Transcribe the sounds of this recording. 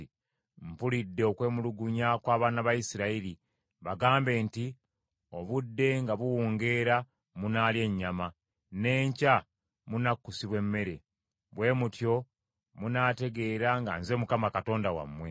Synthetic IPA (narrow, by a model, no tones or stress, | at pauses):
i | m̩pulidːeokwe̞ːmuluɡuɲakwaːβaːnaβajisiɾaiɾi | βaɡaːmbe̞ːnti | o̞βudːe̞ŋɡaβuwuːŋɡe̞ɾa | munaːlje̞ɲːama | ne̞ːɲca | munakːusiβwe̞mːe̞ɾe̞ | βwe̞ːmutjo̞ | munaːte̞ɡe̞ɾaŋɡa̰nze̞ːmukamakato̞ːndawa̰mːwe̞